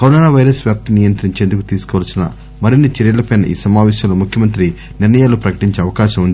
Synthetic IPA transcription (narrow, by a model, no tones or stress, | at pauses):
kɐɾonoːnaːʋɐjɾɐsʋjaːp̚t̪nijɐnt̪ɾiɲt͡ʃeːnd̪ukut̪iːsu̥kɔːʋɐlɐsinɐ̰ | mɐɾinːit͡ʃeɾjɐlɐpenʔḭːsɐmaːʋɛːʃɐloːmukʰjɐmɐnt̪ɾi | niɾnɐjaːlupɾɐkɐ̥ʈiɲt͡ʃeːɐʋɐkaːʃɐmund̪i